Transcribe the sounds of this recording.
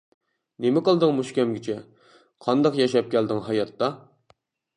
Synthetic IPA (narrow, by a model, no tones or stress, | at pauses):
nemɪqəlˠd̪ɨŋmuʃkʲɛmɡʲit͡ʃʰɛ | qʰɑnd̪ɑqjɛʃɑp̚kʲɛld̪ɪŋɦɑjɑt̪ːɑ